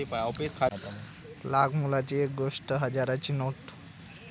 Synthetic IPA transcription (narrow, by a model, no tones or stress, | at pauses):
ipaɔpiskʰat̪ami | laɡmulat͡ɕiek̚ɡoʂʈəɦəd͡ʑaɾat͡ɕiːnoʈ